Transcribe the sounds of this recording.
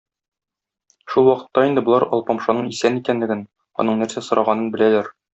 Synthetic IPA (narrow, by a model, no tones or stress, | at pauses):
ʃulˠwɒqɤ̥̆t̪ːɑind̪ɘ̆bŏlˠɑɾɒ̰lˠpɑmʃɑnɤɴisænikænlɘ̆ɡɘn | ɒ̰nɤɴnæɾsæsŏɾʔɑʁɑnɤnbɘ̆lælæɾ